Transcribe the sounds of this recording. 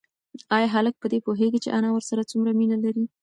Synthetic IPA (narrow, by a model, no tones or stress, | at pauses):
ɑjɑɦalək̚pəd̪epoɦeɡit͡ʃeʔanawəɾsaɾat͡sumɾaminalaɾi